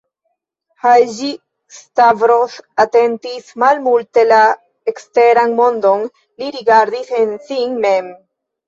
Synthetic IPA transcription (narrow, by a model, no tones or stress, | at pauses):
hajʒi | stavɾo̞sate̞ntismalmulte̞la | eksteɾanmo̞ndo̞n | liɾiɡaɾdisensinme̞m